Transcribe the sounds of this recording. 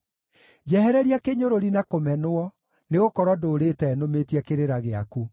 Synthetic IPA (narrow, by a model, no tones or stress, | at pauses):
d͡ʑɛhɛɾɛɾiakeɲoɾoɾinakomɛnwɔ | neɣokɔɾwɔdoːɾetɛnometiɛkeɾeɾaɣea̰ku